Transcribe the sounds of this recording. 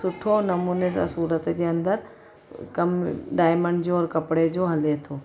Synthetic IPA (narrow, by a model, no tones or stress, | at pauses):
sʊʈʰonɐmuːnes̬a̰suːɾət̪d͡ʑeːɐ̃nd̪əɾ | kɐmɖaːɪməɳɖd͡ʑoɔːɾkɐpɽed͡ʑoɦɐlet̪ʰoː